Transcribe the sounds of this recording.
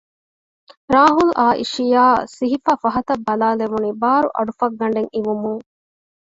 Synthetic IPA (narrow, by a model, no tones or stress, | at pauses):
ɾaːɦulʔaːʔḭʃijaːsiɦifaːfɐɦɐt̪ɐbːɐlaːleʋunibaːɾṵʔɐ̰ɖufɐɡːɐɳ̆ɖeŋiʋumuŋ